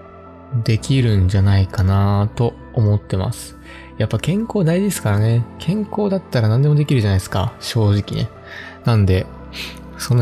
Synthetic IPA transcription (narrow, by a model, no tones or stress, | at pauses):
d̪e̞kʲiɾɯ̟̃ɲ̟d͡ʑanaikanat̪o̞ | omo̞t̪ːe̞ma̰sɨ̥ | japːakẽ̞ŋko̞ːd̪aid̪e̞sɨ̥kaɾane̞kʰẽ̞ŋko̞ːd̪at̪ːaɾanãnd̪e̞mod̪e̞kʲiɾɯ̟d͡ʑanaiesɨ̥ka̰ɕo̞ːʑikʲine̞̰ | nãnd̪e̞ | sõ̞nː